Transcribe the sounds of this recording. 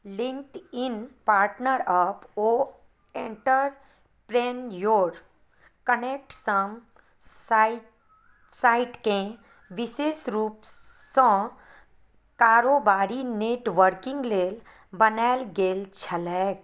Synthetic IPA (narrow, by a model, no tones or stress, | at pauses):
lɪ̃ŋkʈɪnpaːɾʈnəɾəpo | ẽːɳʈəɾ | pɾenjoːɾ | kəneːk̚ʈsəm | saːɪʈkẽ | ʋɪʃeːsɾuːpsɔ̃ | kaːɾobaːɾineːʈʋəɾkɪ̃ŋɡleːl | bənɛlɡeːlt͡ʃʰəlɛːk